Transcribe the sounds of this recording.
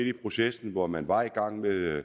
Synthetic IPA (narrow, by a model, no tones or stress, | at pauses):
ed̥ipʰʁo̝sesn̩ʋɒmænʋɑ̈iɡ̥ɑ̈ŋ̰meðˠ